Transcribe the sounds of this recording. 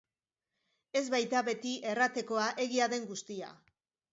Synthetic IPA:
e̞zβajt̪aβe̞t̪iʔe̞rat̪e̞ko̞aʔe̞ɣiaðe̞ŋɡust̪ia̰

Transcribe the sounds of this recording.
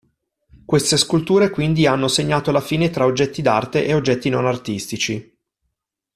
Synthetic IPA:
kwest̪eskult̪uːɾekwind̪ianːoseɲːaːt̪olafiːnet̪ɾaod͡ʒːɛt̪ːid̪a̰rt̪eʔeod͡ʒːɛt̪ːinonart̪ist̪it͡ʃi

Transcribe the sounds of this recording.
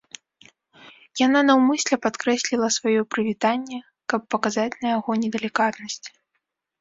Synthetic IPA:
jananɐwmɨsʲlʲɛpat̪kɾɛsʲlʲilˠɐsvajɔpɾɨvʲit̪anʲːɛ | kɐpːɐkazat͡sʲnɐjaɣɔnʲɛd̪ɐlʲikat̪nɐsʲt͡sʲ

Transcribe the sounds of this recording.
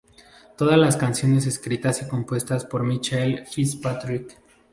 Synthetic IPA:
t̪o̞ðazlaskansjo̞ne̞s̬e̞skɾit̪aseko̞mpwe̞st̪aspo̞ɾmit͡ʃaelfispat̪ɾik

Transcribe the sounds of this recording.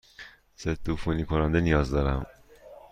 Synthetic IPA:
set̪ʰufunikʰonænd̪enijɒːzd̪ɒːɾæm

